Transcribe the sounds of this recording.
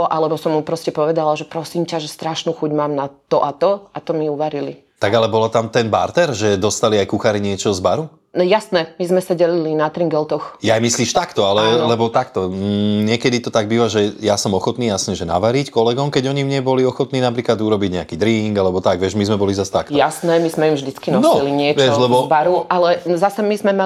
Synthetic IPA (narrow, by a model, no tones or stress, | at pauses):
ʔalɛbɔsɔmːupɾɔscɛpɔʋɛd̪alaʒɛpɾɔsiːmcaʒɛst̪ɾaʃnuːxuɟmaːmnat̪ɔʔat̪ɔat̪ɔmiuʋaɾili | t̪aɡalɛbɔlat̪amt̪ɛnba̰ɾt̪ɛɾʒɛd̪ɔst̪aliajkuxaɾiɲɪɛt͡ʃɔzbaɾu | nɛjasnɛmizmɛsaɟɛlilinat̪ɾiŋɡɛlt̪ɔxjajmisliːʃt̪akt̪ɔalɛlɛbɔt̪akt̪ɔɲɪɛkɛd̪it̪ɔt̪aɡ̚biːʋaʒɛjasɔmɔxɔt̪niːjasɲɛʒɛna̰ʋaɾickɔlɛɡɔmkɛɟɔɲimɲɛbɔliɔxɔt̪niːnapɾiːklad̪uɾɔbiɟɲɛakiːd̪ɾiŋɡalɛbɔt̪aɡʋɪɛʒmizmɛbɔlizast̪aktɔjasnɛmizmɛjimʒd̪it͡skinɔnsɔiliɲɪɛʋɛʃlɛbɔbaɾuʔalɛzasɛmizmɛma